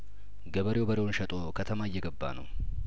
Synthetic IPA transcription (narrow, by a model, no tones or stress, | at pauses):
ɡɐbɐɾjo̞ːbɐɾɪonʃɐt̪ʼoːkʰɐt̪ʰɐmaːjːɛɡɐbːa̰nɐ̰w